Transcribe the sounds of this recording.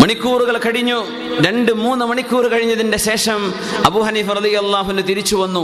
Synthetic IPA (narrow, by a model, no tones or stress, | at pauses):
mɐɳikʲːuːruɣɐɭkɐɻiɲːu | ɾe̞ɳɖɨmuːnːɨmɐɳikʲːuːrukɐɻiɲːɐðinde̞ɕe̞ːʂɐm | ɐbuːhɐniːfɐrɐðijɐlːaːɦuʋinːut̪iɾit͡ɕːuʋɐnːu